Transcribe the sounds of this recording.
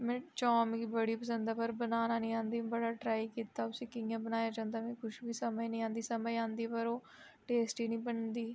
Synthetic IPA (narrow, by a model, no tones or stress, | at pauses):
mɛ̃ːt͡ʃɔːmkiːbəɽiːpəsə̃nd̪aːpəɾbənaːnaːnĩːãːnd̪ĩːbəɽaːʈɾaːiːkiːt̪aːʊsĩːkɪjãːbənaːjaːd͡ʒãːnd̪aːmɛ̃ːkʊʃbiːsəməinĩːãːnd̪iːsəməiãːnd̪iːpəɾoːʈeːsʈiːnĩːbənd̪iː